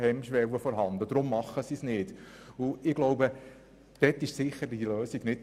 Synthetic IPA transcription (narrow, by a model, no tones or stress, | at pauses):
hɛmʃʋɛwəfɔɾɦɑnd̪əd̪ɾʊmːɑχːəsisnɪːd̥uɪɡ̥lowbə | d̪̥ɛt̪ːɪʃsɪχəɾdiløːsiɡnɪt